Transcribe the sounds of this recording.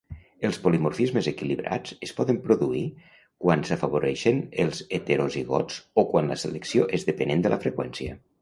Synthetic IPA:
əlˠspolimoɾfizməzekiliβɾʔa̰d͡zəspɔðəmpɾoðui | kwansafaβoɾɛʃənəlˠzet̪eɾoziɣɔ̰t͡sokwanləsələksioʔezðəpənend̪əlʔə̰fɾəkwɛnsiə̰

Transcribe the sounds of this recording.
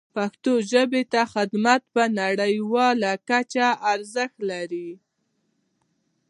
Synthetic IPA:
paxt̪oʒəbet̪axɪd̪mat̪̚pənaɽəjwɑlakat͡ʃaːɾzəxt̪laɾi

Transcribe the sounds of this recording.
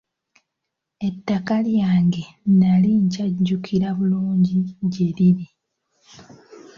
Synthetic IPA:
e̞tːakaljaːŋɡe̞naliɲcaɟːukʰiɾaβuluːɲɟiɟe̞ɾiɾi

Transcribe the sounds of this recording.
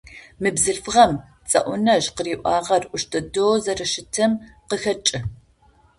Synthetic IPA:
mɨbzɨɬfʁɐm | t͡sʼɐ̰ʔʷʊnɐʒqəriːʔʷɑːʁɐrʔʷʊʃtʰɐdoːzɐrɨʃɪtʰɐmqəxɐt͡ʃʼɪ

